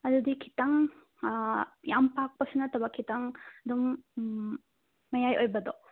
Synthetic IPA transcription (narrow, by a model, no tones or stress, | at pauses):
ɐd̪udikʰi̥taŋ | jampak̚pɐsɐnɐtɐbɐkʰitaŋɐdum | ɐjajojbɐdɔ